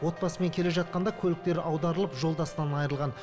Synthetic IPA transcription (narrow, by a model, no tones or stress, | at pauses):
wo̞t̪̚bɑsəme̞ŋkʲʰe̞le̞ʒɑt̪̚qɑnd̪ɑkʲʰɵlɪk̚t̪e̞ɾɑwd̪ɑɾəlˠəpʒo̞lˠd̪ɑsənɑnɑjəɾəlˠʁɑn